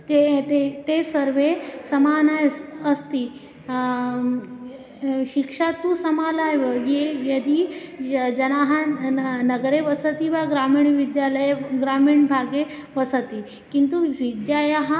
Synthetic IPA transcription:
t̪eet̪esəɾʋesɐmaːnajəst̪i | ɕikʂat̪usɐmaːlajʋəjejɐd̪ʱi | d͡ʒɐnaɦɐ̃nɐɡəɾeʋɐsət̪iʋaɡɾamiːɳʋid̪jaləjeɡɾaːmiɳbʱaːɡeʋɐsət̪i | kint̪uʋid̪jajaɦa

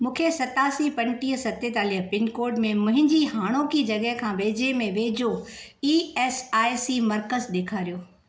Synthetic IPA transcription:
mũːkʰesɐt̪aːsipɐ̃ɳʈiːɦəsɐt̪et̪aːliːɦpɪnkoːɾɖmẽmʊ̃ɦɪ̃ɲd͡ʑiɦaːɽ̃okid͡ʑɐɡəɦkʰãːʋeːd͡ʑemẽʋeːd͡ʑo | iːeːsaːjsimɐɾkəzɗ̪eːkʰaːɾijoː

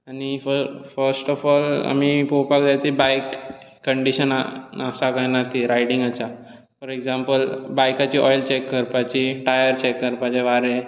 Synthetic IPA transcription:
anifəfəɾsʈɔfɔla̰miːpowpakdat̪ibajkː | əɳɖiɕənaasakajnat̪iɾajɽĩŋɡat͡ɕa | pəɾeɡzãmpəlbajkat͡ɕiːʔɔjlt͡ɕekːəɾpat͡ɕiʈajəɾt͡ɕekːəɾpat͡ɕeʋaɾe

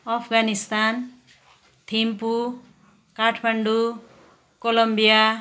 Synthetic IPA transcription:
ɔpʰɡanist̪an | t̪ʰimpu | kaʈʰbaɳɖu | kɔlɔmbija

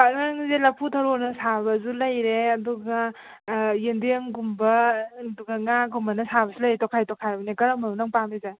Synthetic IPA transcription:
anaŋzelɐpʰutʰɐɾonɐsaβɐzulɐjɾeɐduɡa | jendeŋɡumbɐduɡɐŋaɡumbɐnɐsabɐsulɐjɾetɔkʰajtɔkʰajbɐnikɐɾamanunaŋpamiza

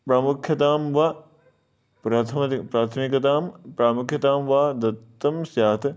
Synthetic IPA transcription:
pɾaːmukʰjɐt̪aːmʋaː | pɾaːt̪ʰɐmpɾaːt̪ʰɐmikɐt̪aːmpɾaːmukʰjɐt̪aːmʋaːd̪ɐt̪ːɐmsjaːt̪ʰ

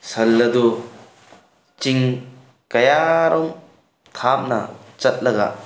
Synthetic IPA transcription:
sɐlːɐd̪u | t͡ʃiŋ | kɐjaɾʔɔŋ | t̪ʰap̚nɐ̰t͡ʃɐt̪̚lɐɡa̰

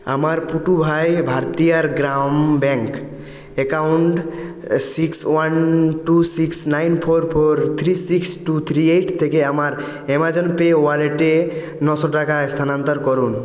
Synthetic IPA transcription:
a̰maɾpuʈubʱajbʱaɾt̪ijaɾɡɾambɛ̃ŋk | ekaʊɳʈ | sikswanʈusiksnajnpʰoɾpʰoɾt̪ʰɾisiksʈut̪ʰɾieʈʰt̪ʰekeamaɾ | emad͡ʒɔnpewaleʈe | nɔsɔʈakast̪ʰanant̪əɾkɔɾun

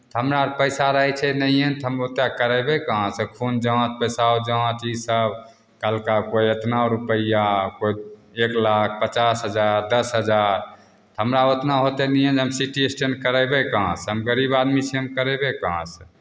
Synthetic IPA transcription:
t̪ɦəmɾaɾpəjsaɾəɦɛt͡ʃʰɛnəient̪ɦəmot̪akəɾɛbekaɦãsəkʰund͡ʒə̃t̪̚pəsaod͡ʒə̃t̪isəb | kəlkakoiət̪naoɾupəjakoieklak̚ʰpət͡ʃasɦəd͡ʒaɾd̪əsɦəd͡ʒaɾ | t̪ɦəmɾaot̪naɦot̪enɛjẽnd͡ʒɦəmsiʈiesʈenkəɾɛbekaãsɦəmɡəɾibad̪mit͡ʃʰiɦəmkəɾɛbekaãs

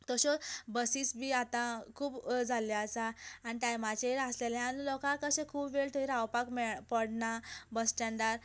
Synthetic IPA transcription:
t̪ɔɕɔbəsisbʱiːat̪ãkʰuːbd͡zʱaljat͡saːniʈ̪ajmat͡ɕeəslelẽañilɔkãkəɕẽkʰuːbʋeɭt̪əiɾawpakmɛpəɽnabəst͡ɕaɳɖaɾ

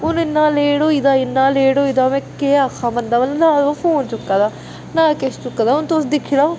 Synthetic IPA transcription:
ʊnɪnːãːleːɽoːiːd̪aːɪnːãːleːɽoːiːd̪aːmɛ̃ːkeːakʰːãːmənd̪aːʋəlnaːd̪opʰoːnt͡ʃʊkːaːd̪aː | nãːkest͡ʃʊkːaːd̪aːʊnt̪oːsd̪ɪkʰːila

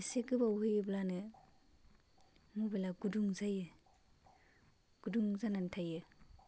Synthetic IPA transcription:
sekɯbawhɯjɯblanɯ | mubelaɡuduŋzajɯ | ɡ̥uduŋzanantʰajɯ

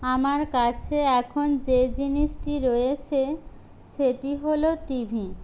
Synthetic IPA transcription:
amaɾkat͡ɕʰeɛkʰond͡ʑed͡ʑiniʃʈiɾojet͡ɕʰe | ʃeʈiɦoloʈibʱi

